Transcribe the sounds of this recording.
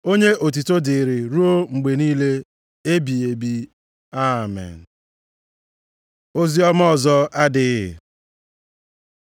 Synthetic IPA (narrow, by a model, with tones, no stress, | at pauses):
o˦ɲe˦ʔo˨t̬i˨to˦dɪ˨ɾɪ˨ɾu˦o˦ŋ͡m̩˨ɡ͡be˨niː˦le˦ | e˦bi˨e˨bi˦ | a˦mɛ̰˨n̩˨ | o˦zi˦ɔ˦m˦ɔ˦˨zɔ˦a˦dɪ˨˦ɪ˨